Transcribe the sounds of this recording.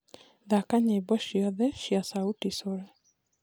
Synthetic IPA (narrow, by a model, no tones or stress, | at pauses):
ðakaɲebɔʃiɔðɛʃiasautisoɾɛ